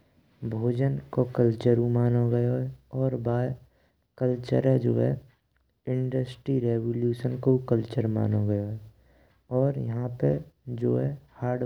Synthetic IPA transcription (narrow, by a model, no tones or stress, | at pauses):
bʱoːd͡ʒənkokəlt͡ʃəɾũmaːnoɡəjoɦɛɔːɾbaːj | kəlt͡ʃə̰ɾɦɛd͡ʒo̰ːɦɛ̰ | ɪ̃ɳɖəsʈɾiɾeːwoːljuːʃənkokəlt͡ʃəɾma̰ːnoɡəjoɦɛ | ɔːɾjɐɦãped͡ʒoːɦɛhaːɖ